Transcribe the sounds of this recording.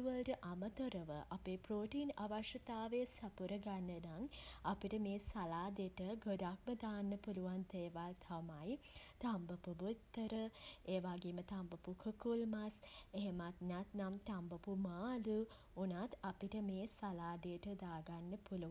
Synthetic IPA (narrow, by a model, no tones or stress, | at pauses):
uʋəlʈəʔamət̪oɾəʋəʔapeːpɾoːʈiːnaʋaʃɐt̪aːʋesapuɾəɡanːənaŋapiʈəmeːsalaːd̪eʈəɡod̪ak̚məd̪aːnːəpuluʋant̪eːʋalt̪ʰamajt̪ambəpubut̪ːəɾəeːʋaːɡemət̪ambɐpukʰəkulmaseɦemat̪nat̪namt̪ambɐpumaːlu | unat̪apiʈəmeːsalaːd̪ejʈəd̪aːɡanːəpuluʋ